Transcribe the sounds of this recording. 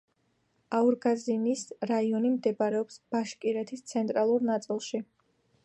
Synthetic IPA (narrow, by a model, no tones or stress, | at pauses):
auɾɡazinisɾaiɔnimd̪ɛbaɾɛɔpsb̥aʃkʼiɾɛt̪ʰist̪sʰɛnt̪ʼɾalˠuɾnat̪sʼilˠʃi